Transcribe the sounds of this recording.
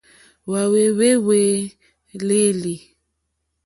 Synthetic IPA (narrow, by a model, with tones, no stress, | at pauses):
wa˨we˨we˦we˨ | le˦li˨